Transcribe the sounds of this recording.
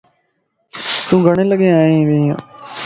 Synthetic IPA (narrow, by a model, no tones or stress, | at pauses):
t̪ũːɡəɳ̃ẽːləɡeːaːẽʋeːã̰ː